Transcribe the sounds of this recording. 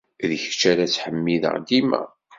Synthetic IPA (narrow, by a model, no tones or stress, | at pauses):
ðəçt͡ʃːæɾæt͡sːħəmːiðə̰ʁd̪imæ̰